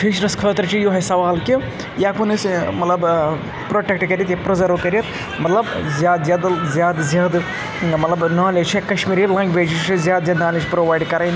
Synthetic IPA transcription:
fʰit͡ʃɾɐskʰɐt̪ɾt͡ʃijoɦɐsɐʋaːlki | jaːkunɐsmɐt̪lɐb | pɾoːʈekʈkɐɾiɐt̪jɐpɾɐzɐɾokɐɾʲjɐt̪ | mɐt̪lɐbzʲjaːd̪zjaːd̪zʲjaːd̪zʲjaːd̪ | mɐt̪lɐbnaːled͡ʒt͡ʃʰɐkɐʃmiːɾilɐ̃ŋɡbʱeːd͡ʒit͡ʃt͡ʃʰizjaːd̪zʲjaːd̪naːled͡ʒpɾoːʋaːjɖkɐɾaːjn

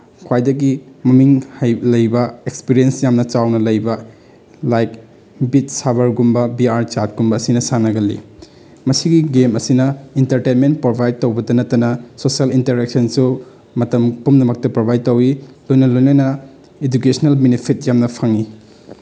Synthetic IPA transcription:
kʰwajdɐɡimɐmiŋhajlɐjbɐekspiɾijensjamnɐt͡ʃawnɐlɐjbɐ | lajk | bit̚sabɐɾɡumbɐbiaɾt͡ʃat̚ɡumbɐːsinɐsanɐɡɐlḭ | mɐsiɡiɡemɐsinɐintɐɾtejnment̚pɾobʱajd̚towbɐdɐnɐtːɐnɐsosialintɐɾek̚sɐnsu | mɐtɐmpumnɐmɐk̚tɐpɾobʱajd̚towilojnɐlojnɐnɐ | ed͡ʒukesnelbinipʰit̚jamnɐpʰaŋi

